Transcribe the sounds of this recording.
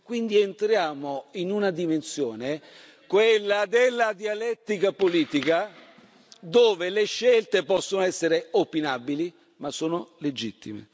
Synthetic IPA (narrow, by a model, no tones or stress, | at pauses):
kwind̪ient̪ɾjaːmoinunad̪imensjoːne | kwelːad̪elːad̪ialɛt̪ːikapoliːt̪ika | d̪oːveleʃːelt̪epɔsːonoɛsːeɾeopinabili | masːoːnoled͡ʒit̪ːḭmḛ